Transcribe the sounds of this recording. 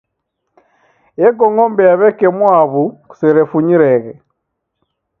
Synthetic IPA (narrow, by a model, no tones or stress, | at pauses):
ɛɡɔŋɔmbɛjaβɛkɛmwaβuku̥sɛɾɛfuɲiɾɛɣɛ